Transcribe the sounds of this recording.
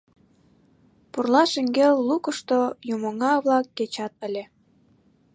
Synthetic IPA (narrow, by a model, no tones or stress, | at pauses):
purlɑʃeŋɡelːukəʃt̪ojumoŋɑβlɑkːet͡ɕɑt̪ə̆lʲe